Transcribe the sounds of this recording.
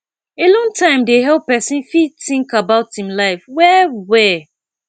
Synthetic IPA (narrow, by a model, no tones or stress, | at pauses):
elɔ̃ntʰãɪ̃mdeɦɛl̚pɛsĩnfitɪ̃ŋkabaʊthĩmlaɪfwɛwɛ